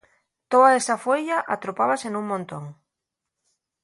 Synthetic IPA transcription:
t̪oðaesafoʎaʔat̪ɾopaβasenũŋmõnt̪oŋ

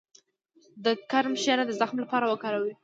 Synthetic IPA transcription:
d̪əkaɾmʃaɾad̪əzaxmlapɑɾawəkɑɾawi

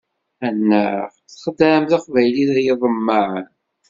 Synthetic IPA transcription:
ænːæ | χd̪æmθaqvæjliðæjəðˤəmːaʕn

